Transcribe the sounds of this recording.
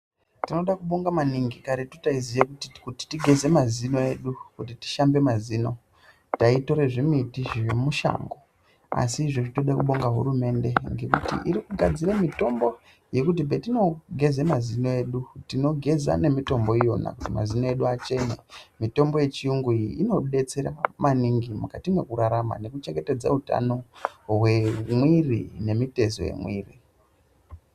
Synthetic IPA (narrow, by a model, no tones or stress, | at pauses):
tino̞ɗakuɓo̞ŋɡamaniŋɡikaɾetutaizijekutikuti̥tiɡʱe̞ze̞mazinoe̞ɗukutiti̥ʃambe̞mazino̞ | taito̞ɾe̞ʐimitiʒemuʃa̰ːŋɡo̞ | a̰siʐiʐitoɗekuɓo̞ŋɡaɦṵɾume̞nde̞ŋɡe̞kutḭʔiɾikuɡʱad͡ziremito̞mbo̞ | je̞kut̬ibe̞tino̞ɡʱe̞zemazinoeɗutino̞ɡʱe̞za̰ne̞mito̞mbo̞ijo̞na̰kutima̰zinoe̞ɗuat͡ʃe̞nḛmito̞mboje̞t͡ʃiuŋɡuiino̞ɗe̞t͡seɾamaniŋɡimukatimwe̞kuɾaɾama̰ne̞kut͡ʃe̞ŋɡe̞te̞d͡za̰uta̰no̞we̞mwirḭne̞mite̞zo̰je̞̰mwiːri